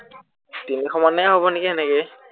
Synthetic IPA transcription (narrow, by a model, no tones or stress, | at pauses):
tinixʰɔmanɛaɦobɔnikiɛnɛkɛ